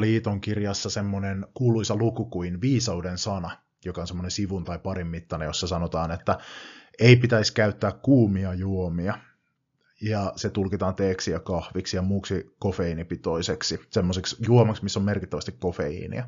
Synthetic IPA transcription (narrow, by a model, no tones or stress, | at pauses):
liːt̪oŋkirjɑsːɑsemːonenkuːluisɑlukukuinʋiːsɑudensɑnɑ | jokɑonsemːonensiʋunt̪ɑipɑrimːit̪ːɑnḛjosːɑsɑnot̪ɑːnet̪ːæeipit̪æiskæyt̪ːæːkkuːmiɑjuomiɑ | jɑset̪ulkit̪ɑːnt̪eːksijɑkɑhʋiksijɑmuːksikofeinipit̪oiseksisemːoseksjuomɑksmisːomerkit̪ːæʋæst̪ikkofeḭnḭɑ